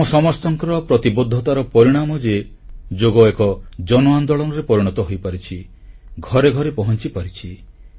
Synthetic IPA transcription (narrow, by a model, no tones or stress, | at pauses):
ɔsɔmɔst̪ɔŋkɔɾɔpɾɔt̪ibod̪ʱːɔt̪aɾɔpɔɾiɽ̃amɔd͡ʒe | d͡ʒoɡɔekɔd͡ʒɔnɔand̪ɔɭɔnɔɾepɔɾiɽ̃ɔt̪ɔɦojpaɾit͡ʃʰi | ɡʱɔɾeɡʱɔɾepɔɦɔnt͡ʃipaɾit͡ʃʰi